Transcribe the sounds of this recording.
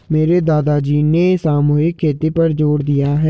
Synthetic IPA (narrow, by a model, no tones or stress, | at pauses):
meːɾed̪aːd̪aːd͡ʒiːneːsaːmoːɪkkʰːeːt̪epəɾd͡ʒoːɽd̪ijaːɦɛ